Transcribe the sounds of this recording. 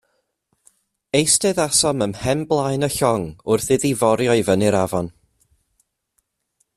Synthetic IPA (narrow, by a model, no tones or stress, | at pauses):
ejstɛðasɔməmhɛmblˠaɨnəɬɔŋʊrθɪðivɔɾjɔɨvəniɾavɔn